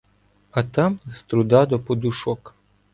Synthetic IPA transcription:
ɐt̪ɑmst̪ɾʊd̪ɑd̪ɔpɔd̪ʊʃɔk

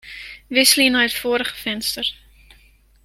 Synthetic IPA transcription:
vɪslinɑɦɛtfuəɾəχə̥fɛnstər

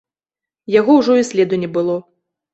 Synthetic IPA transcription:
jaɣɔwʐɔisʲlʲɛd̪unʲɛbɨlˠɔ

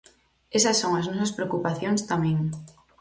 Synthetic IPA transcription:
esɐsːoŋɐznɔsɐspɾeokupaθjoŋst̪amɛ̃ŋ

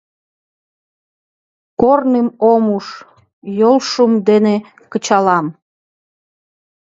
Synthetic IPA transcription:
kornemomuʃ | jolʃumd̪ene | kət͡ɕɑlɑm

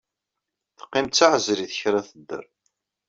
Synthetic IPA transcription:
θə̥qːɪmt̪t͡sːaʕəzɾiθə̥çɾaθəd̪ːə̰ɾˤ

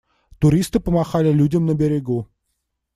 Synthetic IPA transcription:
t̪uɾʲist̪ɨpə̆mɑχɑlʲɪlʲudʲɪmnəbʲeɾʲeɡu

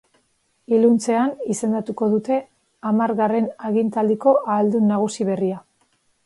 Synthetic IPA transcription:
ilunt͡se̞anise̞nd̪at̪uko̞ðut̪e̞ | amaɾɣare̞naɣint̪ald̪iko̞ʔaːld̪unːaɣ̞usiβ̞e̞ria

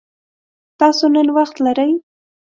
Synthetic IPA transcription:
t̪ɑsonənwɑχt̪laɾaj

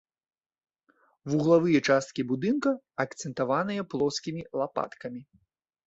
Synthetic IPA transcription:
vuɣlˠavɨjɛt͡ʂast̪̚kʲibud̪ɨnkɐ | ɐkt̪sɛnt̪avanɨjɛplˠɔskʲimʲilˠapa̰t̪kɐmʲi

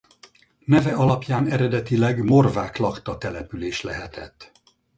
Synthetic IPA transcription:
nɛvɛɒlɒpjaːnɛɾɛd̪ɛt̪ilɛɡmo̞rvaːklɒkt̪ɒt̪ɛlɛpyleːʃlɛɦɛt̪ɛt̪ː

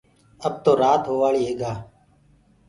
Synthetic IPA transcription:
əb̚t̪oːɾaːt̪ɦoːʋaːɭiːɦeːɠaː

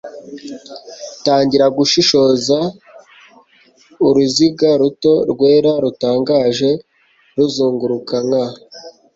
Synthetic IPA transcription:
taːɲɟiɾaɡuʃiʃo̞za | uɾuziɡaɾuto̞ɾɡwe̞ːɾaɾutaːŋɡaːʒe̞ | ɾuzuːŋɡuɾukaŋa

